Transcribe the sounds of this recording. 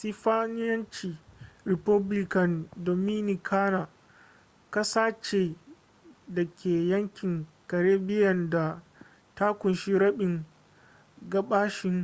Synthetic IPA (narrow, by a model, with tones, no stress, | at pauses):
si˦ɸaː˦nɪ˦jɐ˦nt͡ʃiː˨ɾɪ˨pɐ˦blɪ˦kɐ˨ndo˨mi˦ni˨kʰaː˦na˨ | ka˦saː˦t͡ʃe˨ | dɐ˨kʲeː˨jɐ˦ŋkʲɪ˨ŋ | kɐ˨ɽeː˦bɪ˦jɐ˨nda˨ | ta˦kʷʊ˨nʃi˦ɽɐ˦ɓɪ˨ŋ | ɡɐ˦ɓaː˦ʃɪ˨ŋ